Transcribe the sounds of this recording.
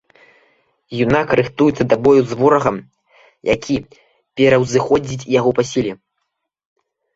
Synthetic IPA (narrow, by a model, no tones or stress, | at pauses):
junakɐɾɨxt̪ujut̪sːɐd̪abɔjuzvɔɾɐɣɐm | jʔa̰kʲʰi | pʲɛɾɐwzɨxɔd͡zʲit͡sʲjaɣɔpasʲilʲɛ